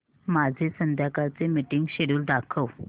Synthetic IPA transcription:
mad͡zʱesənd̪ʱjakat͡semiʈiŋɡɕeɽuːld̪akʰəʋ

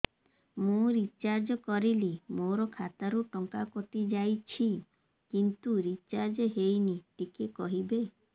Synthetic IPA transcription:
mũɾit͡ʃaɾd͡ʒɔkɔɾilimoɾɔkʰat̪aɾuʈɔŋkakot̪id͡ʒajt͡ʃʰi | kint̪uɾit͡ʃaɾd͡ʒɔɦejniʈikekɔɦibe

